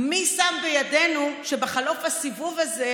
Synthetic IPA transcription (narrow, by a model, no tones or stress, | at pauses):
misambejadenuʃebeχalo̞fasivuvaze